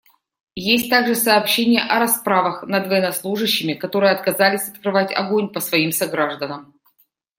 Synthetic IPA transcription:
jesʲt̚ʲt̪aɡʐɨsɐːpɕːenʲɪjəʔɐɾɐspɾavəxnɐd̪vəjɪnɐslˠuʐɨɕːɪmʲɪkɐt̪o̞ɾɨjəɐt̪̚kɐzalʲɪsʲɐt̪kɾɨvatʲɐ̰ɡonʲpəsvɐimsɐɡɾaʐd̪ənəm

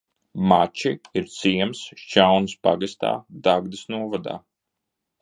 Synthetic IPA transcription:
mat͡ʃiiɾt̪siɛmst͡ʃawnspaɡast̪a̰ːd̪aɡd̪isnuɔvad̪a̰ː

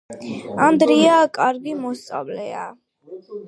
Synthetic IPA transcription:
and̪ɾiakʼaɾɡimɔst̪sʼa̰vlɛ̰a̰

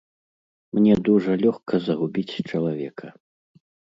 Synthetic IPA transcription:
mnʲɛd̪uʐɐlʲɔxkʰɐzɐɣubʲit͡sʲt͡ʂɐlˠavʲɛkʰɐ

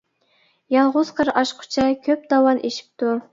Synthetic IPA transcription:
jɑlˠʁʊz̥qʰəɾɑʃqʰʊ̥t͡ʃʰɛkʲʰøp̚d̪ɑwɑnʔeʃi̥p̚t̪ʰu

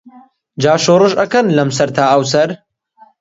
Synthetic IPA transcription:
d͡ʒaːʃoːrɨʒɐkɐnlɐmsɐɾt̪ʰaːʔɐwsɐɾ

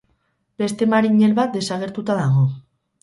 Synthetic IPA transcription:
b̥e̞st̪e̞maɾiɲelβat̪̚d̪e̞saɣ̞e̞ɾt̪ut̪aðaɣo

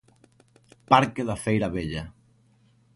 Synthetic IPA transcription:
paɾkeðafejɾaβeʎa

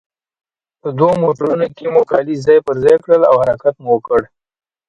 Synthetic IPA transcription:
pəd̪womoʈəɾunokemukɑlizɑjpəɾzjkɽəla̰whaɾakat̪muwəkəɽ

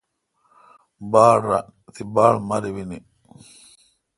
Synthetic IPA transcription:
baːlɾa | t̪ibaːlmaɾiwini

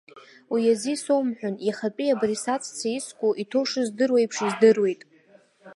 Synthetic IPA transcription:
wijazisowmħʷᶣʊniχapʼiabrisat͡sʰʼt͡sʰaiskʷʼʊʔitʰoʂɨzdɨrwejpʰʂizdɨrwe̞jtʼ

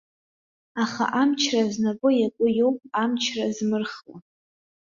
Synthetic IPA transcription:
aχa̰ʔamt͡ʃʰraznakʷʼʊjakʷʼʊjowpʼamt͡ʃʰrazmɨrχla̰

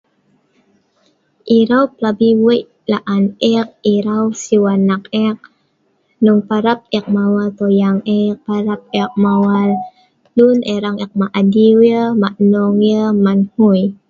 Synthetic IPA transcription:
ʔiɾawplabiweʔ | laʔanʔɛk̚iɾawsiwanːak̚ɛk̚ | nuŋpaɾap̚ɛk̚mawalt̪ojaŋɛpaɾap̚ɛk̚mawalː | unɛɾaŋɛk̚maʔadiwjəmaʔnɔŋjəmanhuj

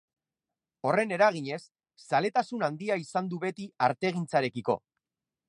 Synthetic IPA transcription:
o̞re̞ne̞ɾaɣ̞iɲe̞sː | ale̞t̪asunand̪iaisand̪uβe̞t̪iaɾt̪e̞ɣ̞int͡saɾe̞kiko̞̰

